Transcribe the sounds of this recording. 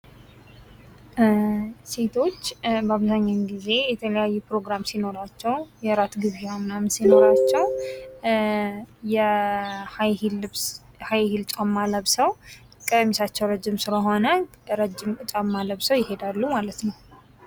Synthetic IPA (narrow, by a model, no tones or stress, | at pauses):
se̞t̪ʰo̞t͡ʃːbaβzaɲːaɡize̞jɛt̪ʰələjajːupɾo̞ɡɾamsino̞ɾat͡ʃːɛwjɛɾat̪ɡɨzeamnamsino̞ɾat͡ʃːɛw | jɛhajhls | hajhilt͡ʃʼamːaləβsəw | kʼəmisat͡ʃːɛwɾəd͡ʒːɪmsɨləɦo̞nə | ɾəd͡ʒːɪmkʼɨt͡ʃʼamːaləβsəwjɪɦe̞d̪alːumalət̪nəw